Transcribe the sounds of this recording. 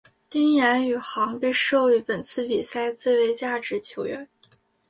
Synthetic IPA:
t̪i˥ŋjɛ˧˥ny˨˩xɑ˧˥ŋpi˥˧ɪʂo˥˩ʊy˧˥pə˨˩nt͡sʰɹ̩˥˩pi˨˩sa˥˧ɪt͡swe˥˩ɪwe˧˥ɪt͡ɕja˥˩ʈ͡ʂɻ̩˧˥t͡ɕʰjo˧˥ʊɥɛ˧˥n

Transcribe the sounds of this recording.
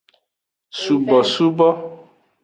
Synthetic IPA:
su˨bɔ˨su˦bɔ˦

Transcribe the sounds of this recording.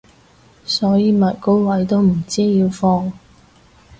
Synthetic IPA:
sɔː˨˥jiː˨˧mɐ˨t̚ko˥wwɐ˨˥jt̪o˥wm̩˨˩t͡siː˥jiː˧wfɔː˧ŋ

